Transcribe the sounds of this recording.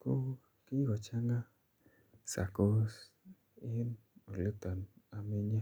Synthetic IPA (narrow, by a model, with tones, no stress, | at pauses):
ko˦ | ki˦ɡɔ˨t͡ʃa˦ŋa˦ | sa̰˨ko˦s | i˦no˨lu˦t̪a˨na˨mi˦ɲa˦